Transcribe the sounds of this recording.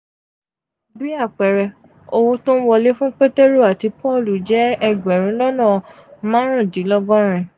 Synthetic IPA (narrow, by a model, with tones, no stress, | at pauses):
bi˦a˦˨k͡pɛ˨ɾɛ˧ | o˧wo˧tõ˦n̩˦wɔ˧le˦fũ˦k͡pe˦te˦ɾo˦˨a˨ti˨˧pɔ˦˨lu˨d͡ʒɛ˨˦ɛ˧ɡ͡bɛ˨ɾ̃ĩ˨˦lɔ˦nɔ̃˦˨ | mãː˦ɾ̃ũ˦˨di˨˦lɔ˦ɡɔ̃˦ɾ̃ɛ̃˨